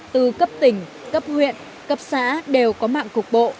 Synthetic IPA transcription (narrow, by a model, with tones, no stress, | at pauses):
t̪ɨ˨˩kə˦˥p̚t̪ï˨˩ŋ̟ | kə˦˥p̚hwḭ˧˨ən | kə˦˥p̚sa̰ː˧˥ɗe˨˩wkɔ˨˦ma̰ː˧˨ŋkʊ˨˩k͡p̚ɓo̰˧˨